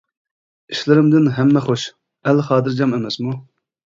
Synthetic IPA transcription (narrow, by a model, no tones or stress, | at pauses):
i̥ʃlɪɾɪmd̪ɪnɦɛmːɛχoʃ | ælχɑːd̪ɨɾd͡ʒɑmɛmɛsmu